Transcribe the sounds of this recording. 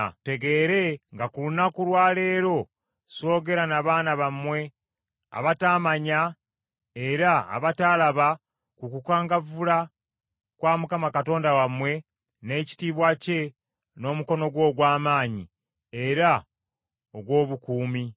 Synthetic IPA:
te̞ɡe̞ːɾe̞ŋɡakulunakulwaːle̞ːɾo̞ | so̞ːɡe̞ɾanaβaːnaβamwe̞ | a̰βataːmaɲa | e̞ɾa̰ːβataːlaβa | kukukaːŋɡavula | kwaːmukamakato̞ːndawamwe̞ | ne̞ːci̥tiːβwace̞ | no̞ːmuko̞no̞ɡwo̞ːɡwaːmaːɲi | e̞ɾa | oɡwo̞ːβukuːmi

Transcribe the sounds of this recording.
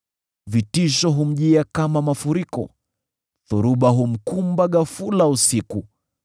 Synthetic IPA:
vitiʃɔɦum̩ʄiakamamafuɾikɔ̰ | θuɾuɓaɦum̩kumbaɠafulausiku

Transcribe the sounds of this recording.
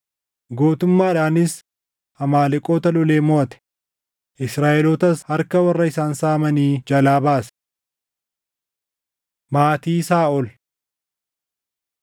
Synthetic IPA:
ɡo̞ːt̪ʊmːaːɪᶑaːnɪs | hɐmaːlɪkʼoːt̪ɐlɔleːmoːɐt̪ɛ̥ | ʔɪsɾaːʔɛloːt̪ɐshɐɾkɐwɐrːɐɪsaːnsaːmɐniːd͡ʒɐlaːbaːs | maːt̪iːsaːʔɔl

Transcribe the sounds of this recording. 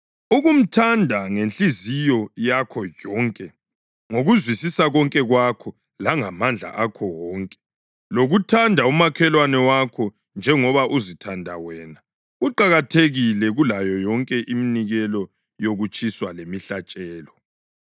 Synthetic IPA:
uɣum̩tʰandʱaŋent͡ɬʼizijɔjakʰɔjɔːŋkʼɛ | ŋoɣuzwisisaɣɔŋkʼɛɣwakʰɔ | laŋamand͡ɮʱa̰ʔakʰɔwɔːŋkʼɛ̥ | loɣutʰandʱaumakʰɛlwanɛwakʰɔ | nd͡ʒʱɛŋɔβaʔuzitʰandʱa̰wɛːna | uǃaɣatʰeɣilɛɣulajɔjɔŋkʼɛʔiminiɣɛlɔ | joɣut͡ʃʰʼiswalemiɬat͡ʃʼɛːlɔ

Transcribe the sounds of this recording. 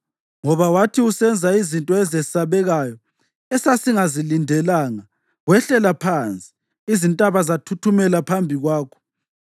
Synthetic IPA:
ŋɔβawatʰiusɛnd͡zʱaizintʼɔɛzɛsaβɛɣajɔ | ɛsasiŋazilindʱɛlaːŋa | wɛɬɛlapʰant͡sʼi̥ | izintʼaβazatʰutʰumɛlapʰambʱiɣwaːkʰɔ̥

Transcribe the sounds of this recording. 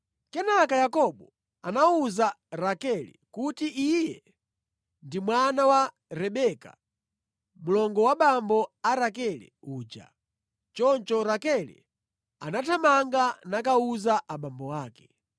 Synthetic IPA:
kɛnakajakɔɓɔ | anauzaɾakɛlḭkutiʔijɛ | ndimwanawa | ɾɛɓɛka̰ | mulɔŋɡɔwaɓambɔaɾakɛlɛ̰uːd͡ʒa̰ | t͡ʃɔnt͡ʃɔɾakɛlḭ | a̰natʰamaŋɡanakauzaʔaɓambɔwaːkɛ̥

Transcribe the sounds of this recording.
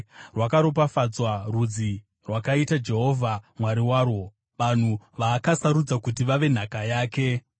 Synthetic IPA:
rwakaɾop̬afad͡zwarud͡zi | rwakaitad͡ʒe̞ɦo̞ːvʱamwaɾiwaːro̞ | ʋan̤uʋaːkasaɾud͡zakutiʋaʋe̞n̤akajaːke̞

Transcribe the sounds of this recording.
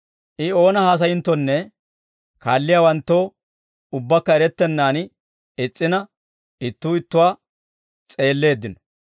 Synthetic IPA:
ʔɪo̞ːnɐhaːs̬ɐjɪnt̪ːɔnːɛ | kaːlːɪjaːwɐnt̪ːo̞ː | ʊbːɐkːɐɛɾɛt̪ːɛnːaːn | ɪt͡sʼːɪnɐ | ɪt̪ːuːɪt̪ːʊwaː | t͡sʼe̞ːlːe̞ːd̪ːɪnɔ̥

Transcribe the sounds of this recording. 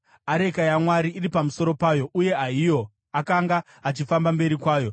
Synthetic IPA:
aɾe̞kajamwaɾiːripamuso̞ɾo̞paːjo̞ʔuje̞aijo̞ | akaŋɡa | at͡ʃifambambe̞ɾikwaːjo̞

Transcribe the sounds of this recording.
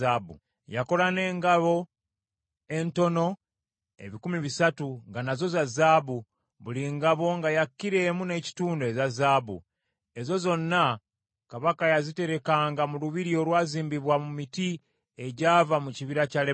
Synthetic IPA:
abṵ | jako̞lane̞ːŋɡaβo̞ | e̞nto̞no̞ | e̞̰βikumiβisatuŋɡanazo̞zazaːβu | βuliŋɡaβo̞ŋɡajakːiɾe̞mune̞ci̥tuːndoezazaːβṵ | e̞zo̞zo̞nːa | kaβakajazite̞ɾe̞kaːŋɡamuluβiɾio̞lwaːziːmbiβwamumiti | e̞ɟaːvamuciβiɾacale

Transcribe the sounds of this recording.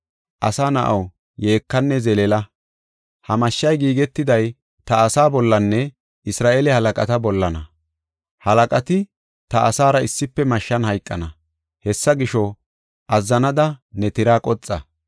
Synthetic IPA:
ʔɐsaːnɐʔɐw | je̞ːkːɐnːɛzɛlɛlɐ | hɐmɐʃːɐjɡiːɡɛt̪ːɪd̪ɐj | t̪ɐːsaːbɔlːɐnːɛ | ɪsɾaːʔelɛhɐlɐkʼɐt̪ɐbɔlːɐnɐ | hɐlɐkʼɐt̪ɪ | t̪ɐʔːsaːɾɐɪsːɪpːɛmɐʃːɐnhɐjkʼːɐnɐ | hɛsːɐɡɪʃɔ | ʔɐzːɐnɐd̪ɐnɛt̪ɪɾaːkʼɔt͡sʼːɐ

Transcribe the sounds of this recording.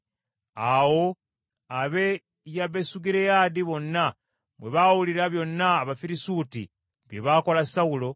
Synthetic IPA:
awo̞ | aβe̞ | jaβesuɡiɾejaːdiβo̞nːa | mwe̞βawuliɾaβjo̞nːaːβafiɾisutḭ | βje̞βaːko̞lasawulo̞

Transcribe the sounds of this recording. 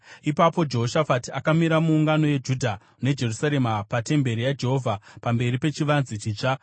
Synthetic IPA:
ipapo̞d͡ʒe̞ɦoʃafatiakamiɾamuːŋɡano̞jed͡ʒudʱa | ne̞d͡ʒe̞rusaɾe̞mapate̞mbe̞ɾijad͡ʒe̞ɦo̞vʱapambe̞ɾipe̞t͡ʃiʋanzit͡ʃiːt͡ʂa

